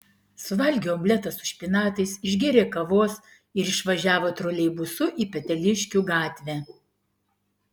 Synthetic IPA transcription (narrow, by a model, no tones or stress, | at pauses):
sʊʋɐlʲɡʲeɔmʲlʲɛt̪ɐsʊ̥ʃʲpʲɪnɑːt̪ɐɪsɪʒʲɡʲɪɾʲeːkɐʋoːs | ɪɾɪʃʋɐʒʲæːʋoːt̪ɾoːlʲɛɪbʊsʊʔiːpʲɛt̪ʲɛlʲɪʃʲkʲuːɡɑːt̪ʲʋʲæː